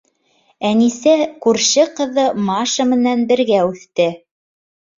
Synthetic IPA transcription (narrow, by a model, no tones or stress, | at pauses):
ænisækʉɾʃɘqɤ̆ðɤmɑʃɤ̆mɘ̆nænbɘ̆ɾɡæʉθt̪ɘ